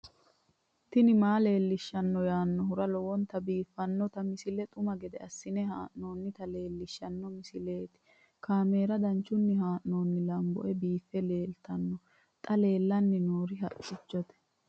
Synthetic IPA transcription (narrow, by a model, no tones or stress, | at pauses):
t̪ɪnɪmaːle̞ːlːɪʃːɐnːɔjaːnːɔɦʊɾɐlɔwɔnt̪ɐbiːfːɐnːɔt̪ɐmɪsɪlɛt̪ʼʊmɐɡɛd̪ɛɐsːɪnɛhaːʔno̞ːnːɪt̪ɐle̞ːlːɪʃːɐnːɔmɪsɪle̞ːt̪ɪ̥ | kaːme̞ːɾɐd̪ɐnt͡ʃːʊnːɪɦaːʔno̞ːnːɪlɐmbɔ̰ʔɛbiːfːɛle̞ːlt̪ɐnːɔ | t̪ʼɐle̞ːlːɐnːɪnoːɾɪɦɐ̰tʼːɪt͡ʃːɔt̪ɛ̥